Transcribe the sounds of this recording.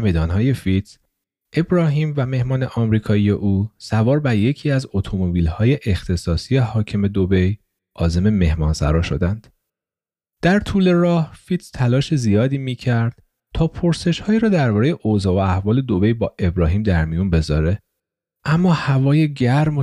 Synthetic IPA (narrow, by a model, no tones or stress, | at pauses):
med̪ɒːnɦɒːje̞fit̪s | ʔe̞bɾɒːɦiːmvæme̞hmɒːne̞ʔɒːmɾiːkʰɒːije̞ʔuːsævɒːɾbæɾje̞cʰiːæzot̪ʰo̞mobiːlhɒːje̞ʔext̪ʰe̞sɒːsijehɒːcʰeme̞d̪obe̞j | ʔɒːze̞me̞me̞hmɒːnsæ̰ɾɒːʃo̞d̪ænd̪̥ | d̪̥æɾt̪ʰuːle̞rɒːhfit̪st̪ʰælɒːʃezijɒːd̪iːmiːcʰæɾd̪̥̚ | t̪ʰɒːpʰo̞ɾse̞ʃhɒːiːɾɒːd̪æɾbɒːɾeje̞ʔoːzɒːvoæhvɒːle̞d̪obe̞jbɒːʔe̞bɾɒːɦiːmd̪æɾmijunbe̞zɒ̰ːɾe̞ | ʔæmːɒːhævɒːje̞ɟæɾmo